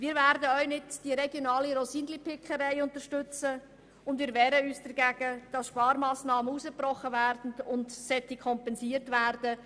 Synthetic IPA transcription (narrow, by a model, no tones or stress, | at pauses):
ʋiːɾvæːɾdəœɥnɪtd̥iɾɛɡjonɑːliɾɔsinlipɪkʰəɾɛɪʊntəɾʃtʏt͡sə | ʊndviːɾʋɛːɾəyːsd̥ɛɾɡæɡ̥əd̥ɑsʃpɑːɾmɑːsnɑːməusəprɔχəvæːɾd̥n̩ʊntsɛtikʰɔmpɛnsiːəɾtvæɾd̥ə